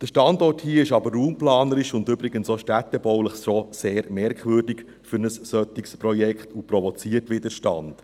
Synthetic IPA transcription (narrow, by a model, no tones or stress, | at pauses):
d̥əʃtɑndɔthiːɪʃɑbərːuːmplɑːnəɾɪʃʊndʏbɾɪɡənsoʃtætɛbɔwləχʃoseːɾmɛɾkχʋʏːɾdɪk | fʏɾnəssœt̪ɪkspɾɔjɛkχtupɾɔvɔt͡siːətʋɪdəʃtɑ̰nd̥